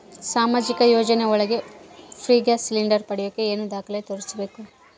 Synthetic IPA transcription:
saːmaːd͡ʒikɐjoːd͡ʒɐneɔɭɐɡe̞pʰɾiːɡasiliɳɖɐɾpɐɽijokːeeːnud̪aːkɐlet̪oɾit͡ʃɐbe̞ːku

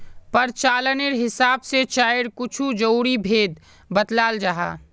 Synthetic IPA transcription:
pəɾt͡ʃaːlənɪɾɦɪsaːbset͡ʃaːɪɽkʊt͡ʃʰud͡ʒəwɾibʱeːd̪ | bət̪laːld͡ʒaɦa̰ː

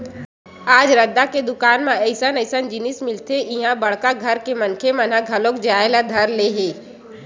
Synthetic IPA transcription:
aːd͡ʒɾɐd̪ːaked̪ʊkaːnmãɛɪsənəɪsənd͡ʒɪnɪsmɪlt̪eʔɪɦãbɐɽ̤kaɡʱɐɾkemɐnkʰemɐnaɡʱɐlõkd͡ʒaːlad̪ʱɐɾleːɦeː

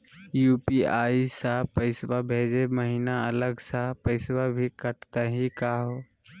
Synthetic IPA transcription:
juːpiaːisapəɪswabʱeːd͡ʒeməɦiːnaələɡsapəɪswabʱikəʈt̪aɦikaːɦoː

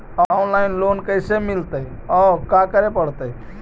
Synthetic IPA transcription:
aonlainlonkəjsemilt̪ə | ɔkakəɾepəɽt̪ə

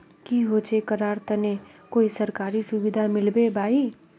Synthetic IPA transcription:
kiɦoːt͡ʃekəɾaːɾt̪ɐnekoːisɐɾkaːɾisʊbɪd̪ʱamɪlbebʱaːi

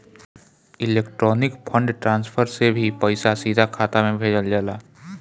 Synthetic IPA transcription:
ɪleːkʈɾɔːnɪkpʰə̃ɳɖʈɾãːnspʰəɾsebʱipəɪsasiːd̪ʱakʰaːt̪amẽbʱeːd͡ʒəld͡ʒaːlaː

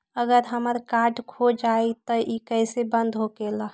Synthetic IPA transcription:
əɡəɾɦəməɾkaɾɖkʰod͡ʒait̪əʔikəɪsebənd̪ɦokela

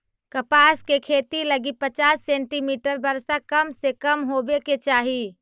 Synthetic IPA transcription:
kəpaskekʰet̪iləɡipət͡ʃasːẽːɳʈimiʈəɾbəɾsakəmsekəmɦobeket͡ʃaːɦi

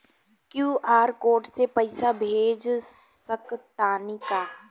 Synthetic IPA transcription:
kjuːʔaːɾkoːɾʈsepɐɪsabʱeːd͡ʒsəkt̪aːnikaː

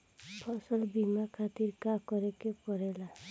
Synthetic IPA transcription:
pʰɔsɔlbimakʰat̪iɾkakɔɾekepɔɾela

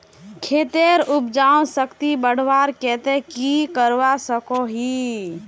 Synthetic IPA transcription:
kʰet̪eɾupd͡ʒaõsəkt̪ibəɽ̤ʋaɾkɛt̪ekikəɾwasəkoɦi

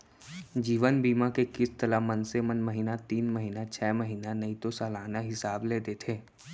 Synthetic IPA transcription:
d͡ʒiːʋənbiːmakekɪst̪əlamɐ̃nsemənmɐɦinat̪iːnmɐɦinat͡ʃʰɛːməɦinanɐĩt̪osaːlaːnaɦɪsaːbleːd̪et̪ʰeː

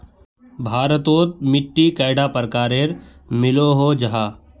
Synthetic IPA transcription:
bʱaːɾət̪oːt̪̚mɪʈːikɐːɪɖaːpəɾkaːɾeːɾmɪloɦod͡ʒɐɦaː

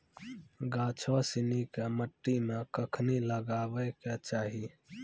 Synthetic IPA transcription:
ɡaːt͡ʃʰɔsɪnikeməʈːimẽkəkʰniləɡaːwəket͡ʃaːɦi

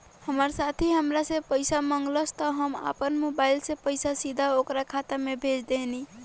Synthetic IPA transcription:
həməɾsat̪ʰiɦəmɾasẽpəjsaməŋɡləst̪əɦəma̰pənmobajilsẽpəjsasid̪ʱaokɾakʰat̪amebʱed͡ʒd̪eɦni

